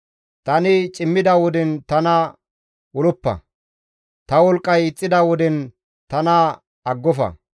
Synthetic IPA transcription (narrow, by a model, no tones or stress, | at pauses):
t̪ɐnɪt͡ʃʼɪmːɪd̪ɐwɔd̪ɛnt̪ɐnɐ | wɔlɔpːɐ̰ | t̪ɐwɔlkʼːɐjɪt͡sʼːɪd̪ɐwɔd̪ɛn | t̪ɐnɐ | ɐɡːɔfɐ̰